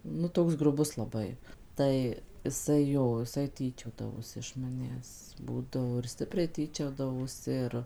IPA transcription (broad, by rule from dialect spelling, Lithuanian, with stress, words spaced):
ˈnʊ ˈtoːks ɡrʊˈbʊs lˠɐˈbɐɪ ˈtɐɪ ɪˈsɐɪ ˈjoː ɪˈsɐɪ ˈtʲiːt͡ʃʲoːdɐʋoːsʲɪ ɪʃ mɐˈnʲæːs ˈbuːdɐʋoː ɪr ˈsʲtʲɪpʲrʲɛɪ ˈtʲiːt͡ʃʲoːdɐʋoːsʲɪ ˈɪr